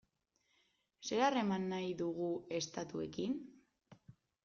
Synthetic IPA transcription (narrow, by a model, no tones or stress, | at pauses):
se̞ɾare̞manːajðuɣ̞ue̞st̪at̪ue̞kin